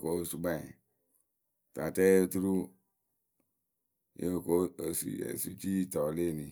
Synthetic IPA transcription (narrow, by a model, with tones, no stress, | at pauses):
ko˨˦˨su˨bã˦˨ | ta˨tɛ˦e˦tu˦ɾu˦ | jḛ˦˨ko˦˨sṵ˨ḛ˨su˦t͡ʃi˦tɔ˨le˦˨nĩ˨